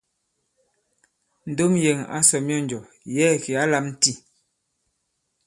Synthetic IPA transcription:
n̩˨do˦mje˨ŋa̰˦sɔ˨mjɔ˦˨n˨d͡ʒɔ˨ | jɛː˦˨ki˨a˦la˦mn̩˦ti˦˨

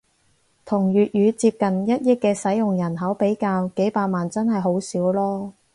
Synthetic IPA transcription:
t̪ʰʊ˨˩ŋjyː˨t̚jyː˨˧t͡siː˧p̚kɐ˨njɐ˥t̚jɪ˥kːɛː˧sɐ˨˥jjʊ˨ŋjɐ˨˩nɦɐ˨˥wpe˨˥jkaː˧wke˨˥jpaː˧t̚maː˨nt͡sɐ˥nhɐ˨jɦo˨˥wsiː˨˥wlɔː˥

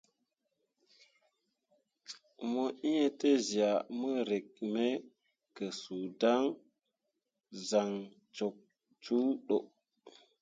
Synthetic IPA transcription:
mo˦ʔi˦je˦te˦zi˨a˨mə˦ɾe˨k̚me˦ | kə˨su˨da˦ŋ | za˨ŋ | t͡ʃo˨k̚ | t͡ʃu˦ɗo˨

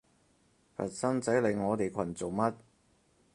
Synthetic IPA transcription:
fʰɐ̰˨˩t̚sɐ˥nt͡sɐ˨˥jle˨˧ŋŋɔː˨˧t̪e˨jkʷʰɐ˨˩nt͡so˨wmɐ˥t̚

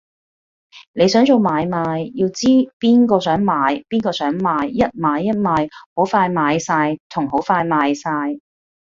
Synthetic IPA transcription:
ne˨˧jsœː˨˥ŋt͡so˨˧wmaː˨˧jmaː˨˧jːiː˧wt͡siː˥piː˥nkɔː˧sœː˨˥ŋmaː˨˧jpiː˥nkɔː˧sœː˨˥ŋmaː˨˧jːɐ˥t̚maː˨˧jːɐ˥t̚maː˨˧jho˨˥wfaː˧jmaː˨˧jsaː˧jt̪ʰʊ˨˩ŋho˨˥wfaː˧jmaː˨˧jsaː˧j

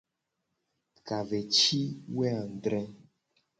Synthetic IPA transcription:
ka˨vɛ˨t͡ʃi˦wɛ˦a˨ɖɾɛ˦

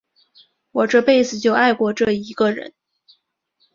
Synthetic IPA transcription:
wɔ˨˩ʈ͡ʂɤ˥˧pe˥˩ɪsɹ̩˨˩t͡ɕjo˥˧ʊa˥˧ɪkwɔ˥˧ʈ͡ʂɤ˥˩i˧˥ɡə˧ɻə̰˧˥n

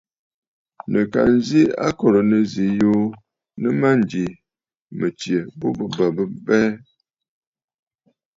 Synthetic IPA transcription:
nə˨ka̰˨n˦zi˦a̰˦kɔ˨ɾə˨nə˦zi˨jo˦ | nə˦ma˦n˨di˨ | mə˨t͡ʃjə˨bo˦bə˨bə˨bə˦bɛ˦

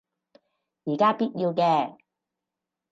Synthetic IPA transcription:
jiː˨˩kaː˥piː˥t̚ji˧wkɛː˧

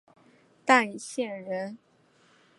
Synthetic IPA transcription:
t̪a˥˩i˧˩ɕjɛ˥˩nɻə˧˥n

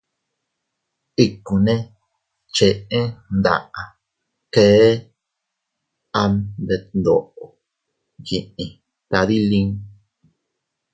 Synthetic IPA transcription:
i˦ku˨nẽ˦ | t͡ʃe˧ʔẽ˦nd̪a̰˧˨ʔa˨ | keː˨˦ | a˧nd̪e˧nd̪o̰˨ʔo˨ | ji˨ʔĩ˨ | t̪a˧ði˦lĩ˦ŋ

